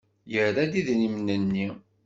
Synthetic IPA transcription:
jəɾæd̪iðnimnːənːi

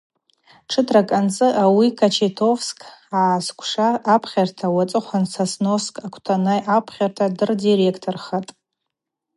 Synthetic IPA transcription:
ʈ͡ʂʰɨtʰrakʼant͡sʼɨʔawikʰat͡ʃʰetʰo̞fskʰʼaːskʷʰʂaːpʰχʲartʰawat͡sʼɨχʷansasnoskʼakʷʰtʰanajʔapʰχʲartʰadɨrdirekʰtʰorχatʼ

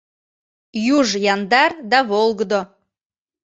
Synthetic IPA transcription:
juʒjɑnd̪ɑrd̪ɑβolˠɡd̪o

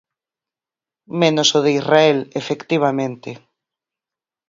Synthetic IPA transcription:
mẽnosoðeizraelefekt̪iβ̞amẽnt̪e

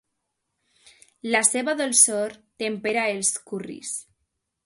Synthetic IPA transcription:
laseβaðolsoɾt̪empeɾaelskurḭs

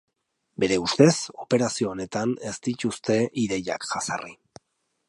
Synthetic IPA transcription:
be̞ɾe̞ust̪e̞so̞pe̞ɾasio̞ːne̞t̪ane̞zt̪it̪ust̪e̞ʔiðe̞ja̰kʝasa̰ri

